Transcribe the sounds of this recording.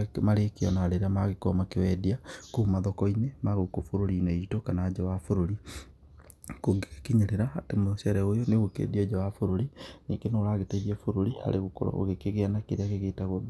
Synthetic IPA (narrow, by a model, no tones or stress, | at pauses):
maɾekeɔnaɾeɾeamaɣekɔmakewɛdiakumaðɔkɔinemaɣokofoɾoɾinɛitokanad͡ʒawafoɾoɾi | koɡkiɲeɾeɾaatemoɕɛɾɛojɔneoɣokḛdiɛd͡ʒawafoɾoɾineɡenoːɾaɣetɛɣiɛfoɾoɾiha̰ɾʔeɣoko̰ɾɔ̰o̰ɣekeɣeanakeɾeaɣeɣetaɣo